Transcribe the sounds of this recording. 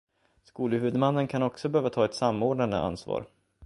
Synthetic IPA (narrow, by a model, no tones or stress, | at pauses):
skuːləhʉːd̪manːənkʰanɔksɔbɛhøːvat̪ʰɑːɛt̪samːoːɖɳand̪ə̰ʔa̰nsvɑ̰ːɾ